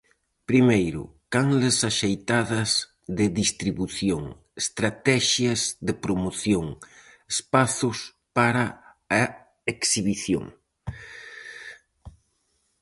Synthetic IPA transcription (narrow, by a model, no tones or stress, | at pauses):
pɾimejɾʊ̰kaŋlesaʃejt̪aðɐz | ðɪðist̪ɾiβuθjoŋ | est̪ɾat̪ɛʃjɐzðɪpɾomoθjoŋespaθʊs | paɾaː | eksiβiθjo̰ŋ